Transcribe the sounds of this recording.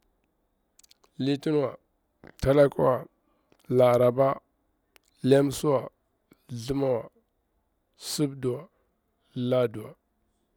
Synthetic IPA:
li˦ti˦n˦wa˨ | ta˦la˦kṵ˦wa˨ | la˨ɾa˨ba˦ | le˦m˦su˦wa˨ | ɮu˦ma˦wa˨ | su˦bdu˨wa˨ | la˦du˨wa˨

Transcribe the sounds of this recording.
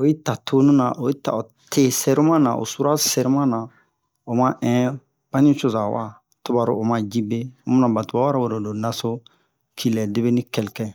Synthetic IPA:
o˨je˦ta˨tʰo˦nũ˦nã˨ʔo˨je˦ta̰˨o˨ | tʰe˦˨sɛ˦ɾi˦mã˦nã̰˨ʔo̰˨su˦ɾa˦sɛ˨ɾi˦mã˦nã˨ | o˨mã˦ʔɛ̃˦ | b̥ã˦nĩ˦t͡ʃo˦za˨wa̰˨ | tu˦ba˨ɾo˨o˨mã˨d͡ʒi˦be˦o˦mũ˦nã˨ba˨tu˨ba˦wa˦ɾa˦wo˨ɾo˨do˨na˦so˦ | kʰi˨lɛ˨de˦be˦nĩ˦kɛ˨lkɛ̃˨

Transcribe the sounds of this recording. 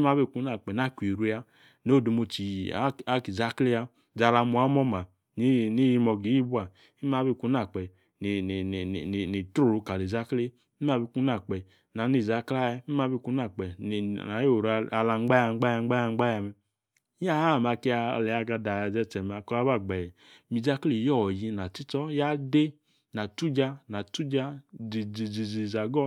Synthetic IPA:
i˦ma˦be˦˨ku˨˦n˦a˨k͡pɛ˨na˦˨kʷi˨ɾu˧˦ja˧ | no˦˨do˨˧mo˧t͡ʃi˨˦a˦ki˨za˦kle˦a˧ | d͡za˧˨la˧mu˨a˨˦mɔ˦ma˨ | ni˦ni˦ji˧mɔ˧ɡi˨˦ji˦bu˦a˨ | i˦m˦a˨˦be˦˨ku˧˦na˨k͡pɛ˨ | n˨n˨n˨ni˨to˦˨ɾu˨˧˨ka˨li˨za˦kle˦ | i˦m˦a˨˧˨bi˧˨ku˦na˨k͡pɛ˨ | na˨˦ni˨za˨˦kla˦jmi˦m˦a˧˦bi˧ku˧na˦˨k͡pɛ˨a˨˦o˦˨ɾa˧la˧ŋ͡mɡ͡ba˦ja˧ŋ͡mɡ͡ba˦ja˧ŋ͡mɡ͡ba˦ja˧ŋ͡mɡ͡ba˦ja˧mɛ˧˦ | a˦ha˦˨m˨a˧ki˧˦a˧lɛ˨a˧ɡa˧da˨ja˨zɛ˧˨t͡ʃɛ˨m˨a˨kɔ˧˦a˦ba˦˨ɡ͡bɛ˨ɛ˨ | mi˨za˦kle˨jɔ˦˨ji˨˧na˨ti˦tɔ˦ja˦de˦ | na˨tu˦d͡ʒa˧na˨tu˦d͡ʒa˧i˨d͡zi˨d͡zi˨zi˨za˨ɡɔ˦

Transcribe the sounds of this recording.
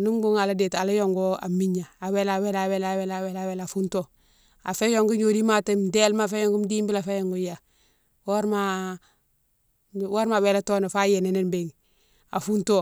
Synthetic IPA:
nu˦mbu˦ŋa˨la˦de˨ta˨la˦jo˨ŋɡo˦a̰˨mi˦ɲa˨a˨we˦la˨we˦la˨we˦la˨we˦la˨we˦la˨we˦la˨fu˦nto˦ | a˨fe˦jo˨ŋɡu˦ɲo˨di˦ma˦te˦mde˦lma˦˨fe˦jo˦ŋɡu˦mdi˦mbi˦la˨fe˦jo˨ŋɡu˦ja˨ | wo˦ɾma˨ | wo˦ɾma˨we˦la˦to˦na˨fa˦je˨ne˨ne˦nbe˨ŋ | a̰˨fu˦nto˦

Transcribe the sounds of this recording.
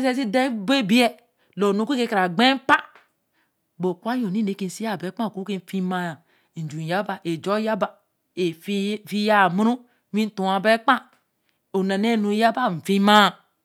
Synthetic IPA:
se˦si˦de˦be˦bi˦e˦ | lo˨nu˦ki˦ke˦ka˨ɾa˨ɡ͡be˦m˦pa˦ | bo˨kwa˦jo˨ni˦ne˨˦ki˨si˦a˦˨be˨˦k͡pa˦˨ku˦ke˦fi˦ma˨a˨ | d͡ʒu˨ja˦ba˨ʔe˨d͡ʒo˦ja˦ba˨ | e˨˦fi˦ja˦˨mu˦ɾu˦ | mĩ˦n˦tu˨a˨be˦k͡pa˦ | o˨na˨ne˦˨nu˨˦ja˦ba˦m̩˨fi˦ma˦˨

